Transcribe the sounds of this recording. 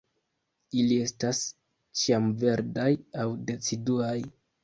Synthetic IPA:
ilie̞stas | t͡ʃiamve̞ɾdajawde̞t͡siduaj

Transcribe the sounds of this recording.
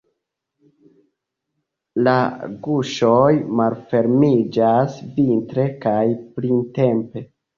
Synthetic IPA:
laɡuʃo̞jmalfe̞ɾmid͡ʒasvintɾe̞kajpɾinte̞mpe̞

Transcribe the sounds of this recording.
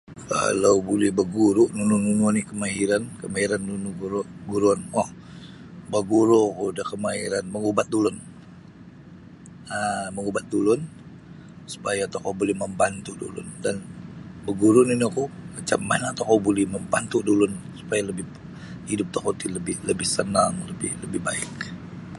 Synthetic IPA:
ka̰lawbolɛhbəɡuɾʊʔnunʊnunuanikəmaɦiɾankəmaiɾanːunuɡuɾɡuɾuanwah | bəɡuɾokudahkəmaiɾanməŋubat̪̚dulʊn | əməŋubat̪̚dulʊn | su̥pajaːt̪akawbolɛhməmbant̪udṵlʊ̰ndanbəɡuɾʊniniakumat͡ʃamːa̰nat̪akawbolɛhməmbant̪udulʊnsu̥pajaləbɪh | hidʊp̚t̪akot̪iləbɪhləbɪhsənaŋləbɪhləbɪhbaɪ̰k̚

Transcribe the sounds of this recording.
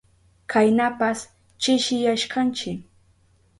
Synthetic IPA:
kʰajnapas | t͡ʃɪʃɪjaʃkant͡ʃɪ

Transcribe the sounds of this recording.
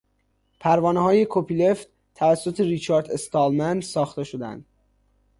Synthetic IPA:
pʰæɾvɒːnehɒːje̞kʰopʰile̞ft̪ | t̪ʰævæsːot̪ʰeɾit͡ʃʰɒːɾd̪est̪ɒːlmænsɒːxt̪e̞ʃod̪æ̰nd̪̥

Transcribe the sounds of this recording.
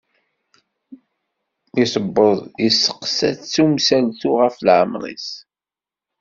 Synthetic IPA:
isəbːəðˤjisːə̥qsæ̰θt͡sːumsælθuʁəflʕə̰mɾˤḭs

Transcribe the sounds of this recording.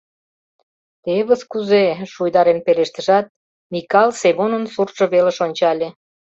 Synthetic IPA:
t̪eβəskuzeʃujd̪ɑɾenpeleʃt̪əʒɑt̪̚ | mikɑlseβonənsurʒ̥ŏβeleʃonʲt͡ɕɑlʲe

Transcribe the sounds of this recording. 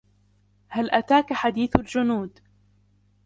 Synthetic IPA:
halʔat̪aːkaħad̪iːθald͡ʒʊnuːd̪

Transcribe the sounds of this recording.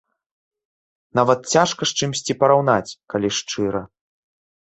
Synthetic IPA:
navɐt̪̚t͡sʲaʂkɐʂt͡ʂɨmsʲt͡sʲipɐɾawnat͡sʲkalʲiʂt͡ʂɨɾɐ

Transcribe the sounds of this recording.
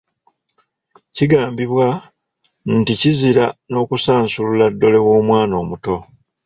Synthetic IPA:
ciɡaːmbiβwa | nticiziɾano̞ːkusaːnsululadːo̞le̞wo̞ːmwaːno̞ːmuto̞

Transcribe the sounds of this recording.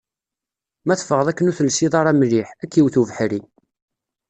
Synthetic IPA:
mæθfəʁəðˤækːənuθəlsiðˤɑɾˤɑmliħækːiwθuvəħɾi

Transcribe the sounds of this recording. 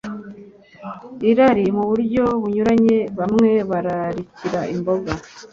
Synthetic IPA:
iɾaɾimuβuɾɟo̞βuɲuɾaɲe̞βamŋe̞βaɾaɾiciɾaʔimbo̞ɡa

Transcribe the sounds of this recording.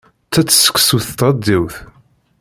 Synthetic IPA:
t͡sːæt͡sːsə̥kʷːsuθt̪ʁəd̪ːiwθ

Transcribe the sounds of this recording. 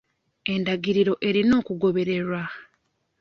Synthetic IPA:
e̞ndaɡiɾiɾo̞ʔe̞ɾino̞ːkuɡo̞βe̞ɾe̞ɾwa

